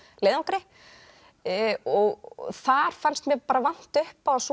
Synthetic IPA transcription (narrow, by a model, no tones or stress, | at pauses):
leːðaŋkɾɪ | ɔɣθaɾ̥fanst̪mjɛpaːɾavan̥t̪ʏhpas